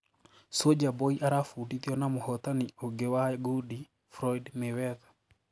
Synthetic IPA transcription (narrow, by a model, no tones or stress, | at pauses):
sod͡ʒabɔiʔaɾafudiðjɔnamohɔtanioŋɡewaɡudi | fɾɔidmewɛðḁ